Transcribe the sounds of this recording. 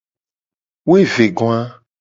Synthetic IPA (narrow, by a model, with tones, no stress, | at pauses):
wo˦e˦ve˨ɡõ˦a˦